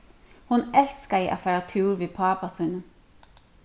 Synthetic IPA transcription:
hʊnɛlskəiʔɑ̰fæɾɑt̪ʰʉːɾʋeːpʰɑːpɑsʉːnə

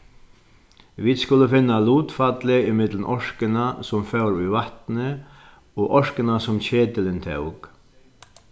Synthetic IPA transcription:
ʋiːd̪skʊləfɪnːaluːt̪fat̪lɪɪmɪt̪lən̩ʔɔʂkɪnasʊmfœwɾʏvaht̪nə | ɔːʔɔʂkɪnasʊmt͡ɕeːt̪əlɪnt̪ʰœ̰wk

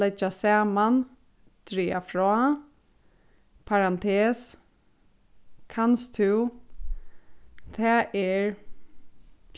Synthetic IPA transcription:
ɛt͡ʃːasaːman | t̪ɾiːafɾɔː | pʰaɾant̪ʰɛːs | kʰanst̪ʰʉw | t̪ʰɛːʔɛɹ

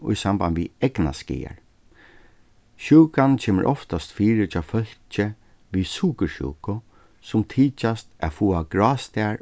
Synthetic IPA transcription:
ʊ̰jsambanʋiɛkna̰skḭːa̰ɹ | ʃuːkant͡ɕʰeːmə̰ɾʔɔft̪ast̪fiːɾɪt͡ʃʰaːfœl̥t͡ʃə | ʋisuːkəʃṵːkʊ | sʊmt̪ʰiːt͡ʃast̪æ̰fuːaɡɾaːst̪ɛaɹ

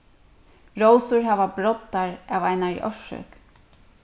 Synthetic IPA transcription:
ɹowsʊɹɦaːʋabɾɔt̪ːaɹavajnaɹḭʔɔʃʏ̰k

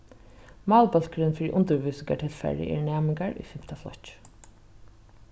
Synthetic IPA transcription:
mɑːlbœl̥kɾɪnfɪɾɪʔʊnt̪əɾʋuːsɪŋkaʈʰɪlfæ̰ɹɪ̰ʔɛ̰ɹɳæːmɪŋkaɹʊ̰jfɪm̥t̪aflɔ̰ht͡ʃ

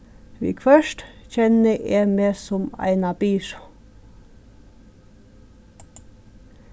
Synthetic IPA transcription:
ʋḭːkʰfœʃʈçɛnəʔeːmeːsɔmæ̰ɪnɑbiːʃɑ̥

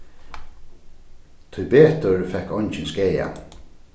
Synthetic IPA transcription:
t̪ʰʊjbeːt̪əɹfɛkːɔnt͡ʃɪnskeːja̰

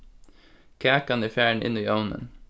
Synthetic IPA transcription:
kʰæːkɑniːfjæːɳ̩ʔɪ̰niːʔoʊnə̰n

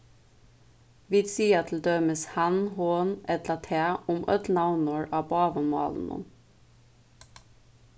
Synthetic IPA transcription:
ʋɪd̪siːɑt̪ʰl̩d̪œməshɑnhoːnɛt̪lɑt̪ʰeːʊmʔœ̰t̪nɑʊnəɹʔɑːbɑːʋəmɑ̰ːln̩ʊ̰m

